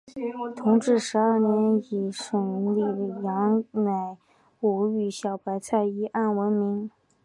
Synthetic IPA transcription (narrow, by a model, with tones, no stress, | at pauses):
t̪ʰʊ˧˥ŋʈ͡ʂɻ̩˥˩ʂɻ̩˧˥ə˞˥˩njɛ˧˥ni˨˩ʂə˨˩ŋ˧li˥˩jɑ˧˥ŋna˨˩ɪ | u˨˩y˥˩ɕjɑ˨˩ʊpa˧˥ɪt͡sʰa˥˩ɪi˧˥ʔa˥˩nwə˧˥nmi˧˥ŋ